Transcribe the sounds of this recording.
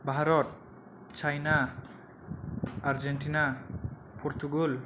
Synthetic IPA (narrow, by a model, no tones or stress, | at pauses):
bʱaɾɔt̚ | t͡ʃajna | ɾd͡ʒenʈina | pʰɔɾt̪uɡul